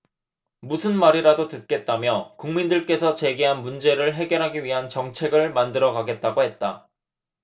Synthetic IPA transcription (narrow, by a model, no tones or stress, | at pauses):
musʰɯnmaɾiɾadotɯt̚k͈e̞t̚t͈amjʌkuŋmindɯɭk͈e̞sʰʌt͡ɕe̞ɡeɦanmund͡ʑe̞ɾɯɭɦe̞ɡjʌɾɦaɡiɥiɦant͡ɕʌŋt͡ɕʰe̞ɡɯɭmandɯɾʌɡaɡe̞t̚t͈aɡohe̞t̚t͈a